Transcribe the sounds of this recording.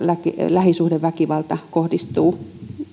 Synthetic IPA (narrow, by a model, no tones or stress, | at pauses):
lækilæhisuhdeʋʋækiʋɑlt̪ɑkohdist̪uː